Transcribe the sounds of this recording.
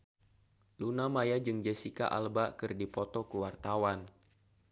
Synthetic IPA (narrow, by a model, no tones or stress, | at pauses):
lunamajad͡ʒɨŋd͡ʒesika̰ʔa̰lbakɨrdipɔt̪ɔkuwart̪awan